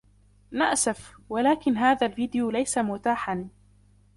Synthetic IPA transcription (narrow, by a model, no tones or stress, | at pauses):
na̰ʔsafwalaːkɪnɦaːðalviːd̪ɪjulajsamʊt̪aːħan